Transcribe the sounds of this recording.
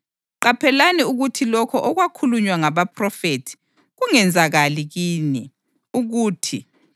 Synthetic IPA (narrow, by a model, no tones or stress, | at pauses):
ǃapʰɛlaniuɣutʰilɔkʰɔʔɔɣwakʰuluɲwaŋaβapʰrɔfetʰi̥ | ɣuŋɛnd͡zʱaɣaliɣiːni | uɣuːtʰi